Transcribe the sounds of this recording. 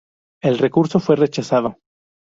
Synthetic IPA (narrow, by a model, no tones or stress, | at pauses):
e̞lre̞kuɾso̞fwe̞re̞t͡ʃasaðo̞